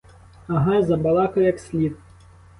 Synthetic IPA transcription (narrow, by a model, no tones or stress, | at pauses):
ɐɦɑjzɐbɐlˠɑkɔjɐksʲlʲid̪̚